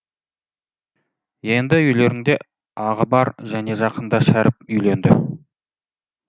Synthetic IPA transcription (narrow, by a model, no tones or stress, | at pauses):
je̞nd̪ɪʏjle̞ɾɪŋd̪e̞ | ɑʁəbɑɾʒæne̞ʒɑqənd̪ɑʃæɾɪp̚ʏjle̞nd̪ɪ̰